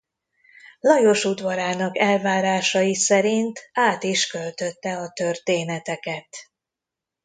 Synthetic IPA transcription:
lɒjo̞ʃud̪vɒɾaːnɒkɛlvaːɾaːʃɒjisɛɾint̪ʰaːt̪iʃkø̞lt̪ø̞t̪ːɛɒt̪ø̞rt̪eːnɛt̪ɛkɛt̪

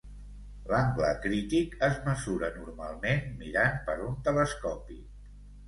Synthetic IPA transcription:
laŋɡlə̰kɾit̪ikəzməzuɾənuɾmalˠmenmiɾanpəɾunt̪ələskɔpḭ

